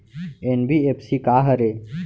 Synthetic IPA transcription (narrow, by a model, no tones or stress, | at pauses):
enbiepsikaːɦɐɾe